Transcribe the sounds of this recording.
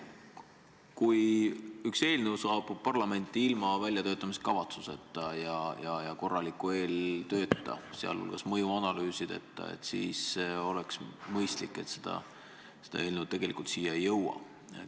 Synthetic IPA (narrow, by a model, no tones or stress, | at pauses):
kujykse̞ːlnewsɑːb̥ubpɑrlɑme̞nt̪ːˑiilmɑvælʲjɑt̪ø̞ːt̪ˑːɑmist̪kɑvɑt̪suse̞t̪ːˑɑjɑjɑjɑko̞rːɑlikːˑue̞ːlt̪øːt̪ːɑ̰seɑ̰lhṵlɡ̥ɑsmɤjuɑnɑlyːsid̪̥e̞̰t̪ˑːɑ̰ḛt̪sḭːso̞leksmɤjst̪likːˑe̞t̪sed̪̥ɑ̰ | se̞d̪̥ɑ̰e̞ːlnut̪e̞ɡ̥elikult̪siːjːɑejːɤwɑ̰ | e